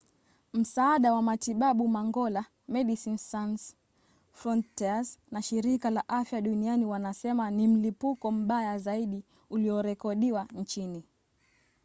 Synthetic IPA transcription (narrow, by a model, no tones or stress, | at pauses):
m̩saːɗawamatiɓaɓumaŋɡɔla | mɛɗisinsans | fɾɔntɛasnaʃiɾikalaʔafjaɗunianiwanasɛmanim̩lipukɔm̩ɓajazaiɗi | uliɔɾɛkɔɗiwant͡ʃini